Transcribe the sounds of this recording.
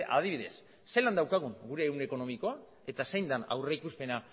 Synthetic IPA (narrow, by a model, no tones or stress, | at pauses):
ʔa̰ð̞iβ̞iðe̞sː | e̞land̪awkaɣuŋɡuɾe̞ːwne̞ko̞no̞miko̞a | e̞t̪asejnd̪ana̰wre̞ikuspe̞na